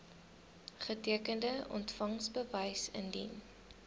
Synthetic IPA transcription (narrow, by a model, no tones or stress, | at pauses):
χətiəkəndəʔɔ̰ntfɐŋsbəvəjsə̰ndḭn